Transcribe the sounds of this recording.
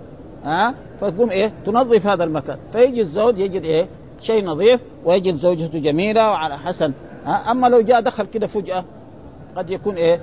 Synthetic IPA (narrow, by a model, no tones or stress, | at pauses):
ʔaː | fat̪̚ɡuːmʔeːt̪unɑðˤːɨfihaːd̪almaka̰ːnfajɪd͡ʒizoːd̪jɪd͡ʒid̪ʔeː | ʃeːjnɑðˤiːf | wijɪɟid̪zoːd͡ʒat̪ud͡ʒamiːlawʕalaħasan | ʔaːʔamːalawd͡ʒaːʔd̪axalkid̪afud͡ʒʔa | ɡad̪jakuːnʔeː